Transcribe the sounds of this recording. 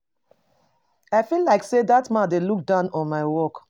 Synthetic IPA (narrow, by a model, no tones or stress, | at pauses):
aɪfilaɪksedatmãdeluk̚dãʊ̃nɔ̃nmaɪwɔk